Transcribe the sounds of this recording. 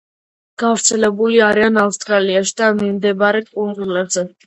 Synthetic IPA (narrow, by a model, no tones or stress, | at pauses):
ɡ̥avɾt̪sʰɛlɛbuliaɾianafst̪ʼɾaliaʃi̥d̪anmimd̪ɛbaɾɛkʼund̪zulɛbzɛ